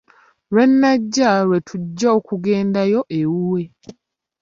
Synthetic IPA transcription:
ɾwe̞nːaɟːaɾwe̞tʰuɟːaokuɡe̞ːndajo̞ʔewuwe

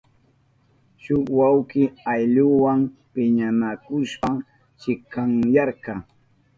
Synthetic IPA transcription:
ʃʊkwawkɪajʎʊwampɪɲamakʊʃpa | t͡ʃɪkaŋjɑɾkɑ

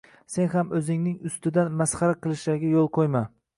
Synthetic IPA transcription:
se̞nhamɵzɪŋnɪŋʊst̪ɪd̪anmasχɑɾaqʰɨlˠɪʃaɡʲajolˠqʰojma

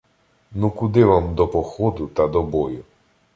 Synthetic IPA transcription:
nukʊd̪ɪʋamd̪ɔpɔxɔd̪ʊt̪ɐd̪ɔbɔjʊ

